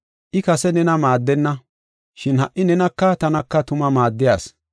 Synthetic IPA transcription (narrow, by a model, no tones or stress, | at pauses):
ʔɪkɐsɛnɛnɐmaːd̪ːɛnːɐ | ʃɪnhɐʔɪnɛnɐkːɐt̪ɐnɐkːɐt̪ʊmɐmaːd̪ːɪjaːs